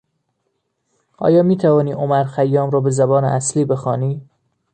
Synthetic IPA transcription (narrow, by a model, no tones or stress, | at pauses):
ʔɒ̰ːjɒːmiːt̪ʰævɒːniːʔomæɾxæjːɒːmɾɒːbe̞zæbɒːneʔæsliːbexɒːniː